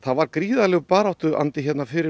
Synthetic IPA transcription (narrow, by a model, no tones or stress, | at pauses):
θaðvaɾkɾiːðalɛɣpaːɾawht̪ʏðʔa̰nt̪ɪçɛt̪nafɪɾɪ